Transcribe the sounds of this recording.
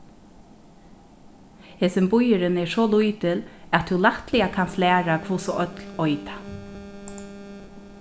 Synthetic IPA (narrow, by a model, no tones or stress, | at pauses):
heːsɪmbʊjɪɾɪnɛsɔlujt̪ɪlæt̪ʰːulaht̪lɪakʰanst̪læːɾakʰvusɔʔœt̪lɔʏt̪ḁ